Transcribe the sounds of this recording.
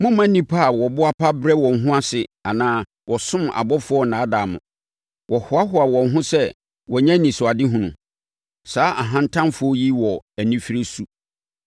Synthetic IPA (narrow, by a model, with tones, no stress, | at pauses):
mʊ̃˦mã˦nĩ˦pʰa˦˨wɔ˨bʊ˦a˦pʰa˦bɾɛ˦wɔ̃˨nɦʊ̃˦a˦sɪ˨a˨nãː˦ | wʔɔ˨sʊ̃˦ma̰˨bɔ˦fʊ˦ɔ˦nãː˨˦da˨mʊ̰̃˨ | wʔɔ˨hʊ˨a˦ɦʊ˦a˨wɔ̃˨nɦʊ̃˦sɛ˦ | wɔ˨ɲɛ̃˦nĩ˨sʊ˨a˨dɪ˦ɦʊ̃˨nʊ̃˨ | saː˨˦ʔa˨ɦã˦n˦tʰã˦mfʊ˦ɔ˦ji˦wɔ˨æ˨nĩ˦fi˦ɾe˦su˦